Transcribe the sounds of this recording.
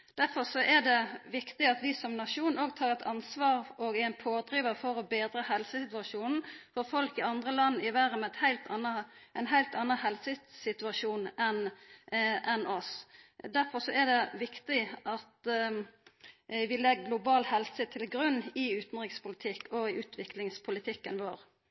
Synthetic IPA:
d̪̥æɾfɔɾsɔʔɛd̪ɛʋɪkt̪ɪɑt̪ʋɪsɔmnɑʂuːnoːɡt̪ʰɑːʁɛt̪ʰɑnsʋɑːɾɔɡæɪnpʰoːd̪ɾiːʋəɾfɔɾɔbeːd̪ɾəhɛlsəsɪt̪ʉɑʂuːnn̩fɔɾfɔlkɪɑnd̪ʁəlɑnːɪʋæɾəmɛɛt̪hæɪlt̪ɑnːəʔɛnɦæɪlt̪ɑnːəhɛlsəsɪt̪ʉɑʂuːnʔɛn | ʔɛnɔsd̪æʁfɔsɔɛd̪ɛʋɪkt̪ɪʔɑt̪ | ʋɪlɛɡːlʊbɑːlhɛlsət̪ʰɪlɡɾʉnːɪʉːt̪n̩ʁɪkspʊlɪt̪ʰɪkːɔɪʉːt̪ʰʋɪklɪŋspʰʊlɪt̪ʰɪkːənʋo̰ːɾ

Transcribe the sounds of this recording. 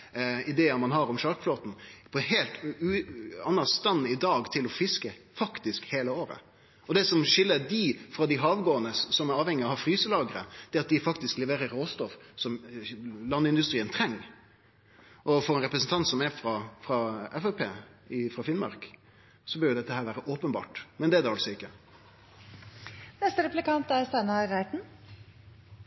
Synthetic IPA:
ɪd̪eːəmɑnɦɑɾɔmʂɑɾkfloːt̪n̩pʰɔɦeːlt̪ʉːɑnːəst̪ɑnːɪd̪ɑːɡt̪ʰɪlɔfɪskəfɑkt̪ɪskheːləoːɾə̰ | ɔd̪ɛsɔmʂɪlːəd̪ɪfɾɑd̪ɪɦɑːʋɡoːənəsɔmæɾɑːʋhɛŋːɪɑhɑɾfɾyːsəlɑːɡəɾə̰d̪̥ɛɑt̪̚d̪ɪfɑkt̪ɪsklɛʋeːɾəɾoːst̪ɔfsɔm | lɑnːɪnd̪ʉst̪ɾiːənt̪ʰɾɛŋː | ʔɔfɔɾɛnɾɛpɾəsn̩t̪ʰɑnt̪sɔmæɾfɾɑfɾɑɛfɛpʰḛːɪfɾɑfɪnmɑ̰ɾk | sɔbœɾjʊd̪ɛt̪ːəhæːɾʋæːɾəʔoːpənbɑ̰ːʈmɛnd̪ɛæd̪ɛɑlsɔɪkːə | nɛst̪əɾɛplɪkɑnt̪æɾst̪ɛnɑɾæɪt̪n̩

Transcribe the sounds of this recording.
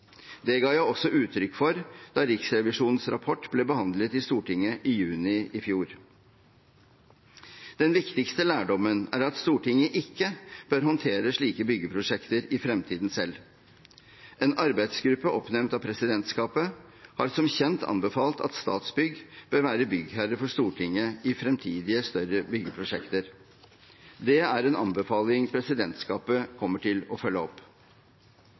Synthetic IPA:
d̪ɛɡɑːjæɪɔsːɔʔʉːt̪ʰɾʏkːfɔɾd̪̥ɑːɾɪksɾɛʋɪʂuːnn̩sɾɑ̰pʰɔʈːblɛːbəhɑnd̪lət̪ɪst̪uːʈɪŋːəʔɪjʉːnɪʔɪfjuːɾ | d̪̥ɛnʋɪkt̪ɪkst̪əlæːɖɔmːənæ̰ːɾɑt̪st̪uːʈɪŋːəʔɪkːəb̥øɾɦɔnt̪ʰeːɾəʂɭiːkəbʏɡəpʰɾʊʂɛkt̪əɾɪfɾɛmt̪ʰiːd̪n̩sɛlː | ʔeːnɑɾbæɪd̪sɡɾʉpːəʔɔpnɛmnt̪ɑpʰɾɛsɪd̪ɛnt̪skɑːpəhɑɾsɔmçɛnt̪ʰɑ̰nbəfɑːlt̪ʰɑ̰t̪st̪ɑ̰ːt̪sbʏɡb̥øːɾʋæːɾəbʏɡhæɾəfɔʂt̪uːʈʰɪŋːəɪfɾɛmt̪ʰiːd̪ɪəst̪œɾəbʏɡəpʰɾʊʂɛkt̪əɾ | d̪ɛæɾɛːnɑ̰nbəfɑːlɪŋpʰɾɛsɪd̪ɛnt̪skɑːpəkʰɔmːəʈʰɪlɔfœlːəɔpː

